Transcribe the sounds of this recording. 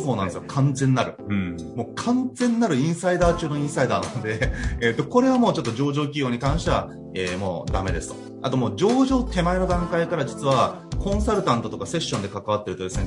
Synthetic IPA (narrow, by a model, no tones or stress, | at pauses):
so̞ːnãnd̪esɨjokʰãnd͡zẽ̞nːaɾɯ̟ | moːkʰãnd͡zẽ̞nːaɾɯ̟ĩɰ̃said̪aːt͡ɕɨːno̞ĩɰ̃said̪aːnãnod̪e̞ːt̪ːoko̞ɾe̞βamo̞ːt͡ɕo̞t̪ːo̞ʑo̞ːʑo̞ːkʲijo̞ːɲ̟ikãɰ̃ɕit̪eaβa̰ | eːmo̞ːd̪a̰me̞d̪e̞sɨ̥t̪o | at̪o̞mo̞ːd͡ʑo̞ːʑo̞ːt̪e̞maino̞d̪ãŋkaikaɾad͡ʑit͡sɨβa | kõ̞ɰ̃saɾɯ̟t̪ãnt̪o̞t̪o̞kase̞ɕːõ̞nd̪e̞kakaβ̞at̪ːe̞ɾɯ̟t̪o̞d̪esɨn